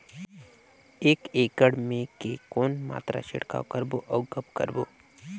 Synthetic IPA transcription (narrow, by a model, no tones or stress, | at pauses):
eːkeːkəɽmẽkekoːnma̰ːt̪ɾa̰ʃɪ̰ɽka̰ːkəɾboʔɐʊɡəpkə̰ɾboː